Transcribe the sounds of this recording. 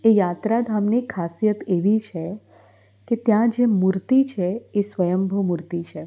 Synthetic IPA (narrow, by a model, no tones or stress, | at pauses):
ejat̪ɾad̪ʱamnikʰːasijət̪eʋit͡ʃʰe | ket̪jãd͡ʒemuɾt̪it͡ʃʰeesʋəjəmbʱomuɾt̪it͡ʃʰe